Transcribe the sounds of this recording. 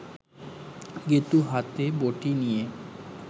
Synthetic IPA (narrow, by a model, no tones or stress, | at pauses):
ɡet̪uɦat̪eboʈinije